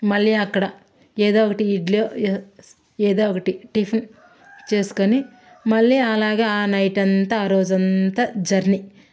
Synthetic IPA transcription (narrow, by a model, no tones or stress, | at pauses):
mɐlːiɐkːɐɽɐ | eːd̪oːkɐʈiːɖlijoː | eːd̪oːokɐʈiʈipʰn | t͡ʃe̞ːsu̥koni | mɐɭːiɐlaːɡeːaːnɐjʈɐnt̪ɐːɾoːd͡ʒɐnt̪ɐd͡ʒɐɾni